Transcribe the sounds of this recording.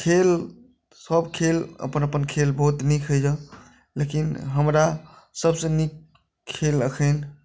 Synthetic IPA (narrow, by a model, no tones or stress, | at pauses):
kʰel | səbkʰelə̰pənəpənkʰelbəɦut̪nikʰɦəd͡ʒə | lekinɦəmɾa | səbsə̃nikʰː | eləkʰən